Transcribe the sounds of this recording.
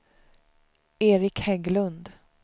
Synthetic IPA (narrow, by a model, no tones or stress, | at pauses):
eːɾɪkhɛɡlɵnd̪